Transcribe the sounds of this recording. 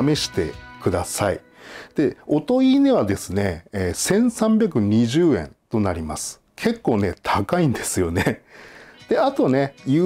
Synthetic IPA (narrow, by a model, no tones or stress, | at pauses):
me̞ɕi̥t̪e̞̰kɯ̟d̪asaḭ | d̪̥e̞o̞t̪o̞iːne̞βad̪e̞sɨne̞ːsẽ̞ɰ̃sãmbʲjak̬ɯ̟ɲ̟iʑɨːẽ̞̰nt̪o̞naɾʲimasɨ̥ | kʰe̞kːo̞ːne̞t̪ʰakaĩnd̪e̞sɨjo̞ne̞ | d̪̥e̞at̪o̞ne̞jɯː